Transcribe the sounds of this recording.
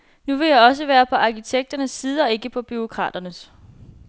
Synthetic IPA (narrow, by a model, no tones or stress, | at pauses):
nuʋe̝jɑ̈ɪɒ̽s̬əʋæːɐpʰɒ̽ʔɑ̈kit͡sʰeɡ̥̚d̥ɐnəsːiːð̞ˠɒ̽e̝ɡ̥əpʰɒ̽b̥yo̝kʰʁɑ̰̈ːd̥ɐnəs